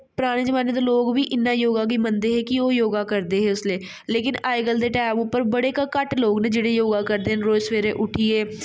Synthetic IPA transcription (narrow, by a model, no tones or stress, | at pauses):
pɾaːɽ̃eːd͡ʒəmaːned̪eːloːɡʋiːʔɪnːãːjoːɡaːɡiːmənd̪eːɦɛːkɪoːjoːɡaːkəɾd̪eːɦɛːʊsleː | leːkɪnaːɪɡəld̪eːʈɛːmʊpːəɾbəɽeːkəkəʈloːɡneːd͡ʒeːɽeːjoːɡaːkəɾd̪eːɦənɾoːsʋeːɾḛːʔʊʈʰiːeː